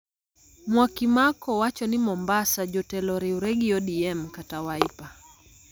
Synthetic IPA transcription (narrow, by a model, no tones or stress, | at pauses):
mwakimakɔwat͡ʃɔnimɔmbasad͡ʒɔtɛlɔɾɛuɾɛɡiɔɗiɛm̩katawaipa